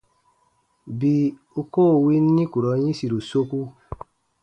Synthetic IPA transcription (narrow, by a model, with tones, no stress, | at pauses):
bi˧ | o˧ko˦˨wi˧˦n˦nĩ˦ku˨ɾɔ˨˦ɲĩ˦si˨ɾo˨so˧˦ku˦